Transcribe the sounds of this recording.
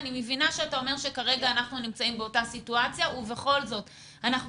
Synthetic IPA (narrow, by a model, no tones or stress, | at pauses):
nimevinaʃeatao̞me̞ʁʃe̞kaʁe̞ɡaːnaχnunimt͡saimbeo̞tasituat͡sjauve̞χo̞lzo̞t | anaχ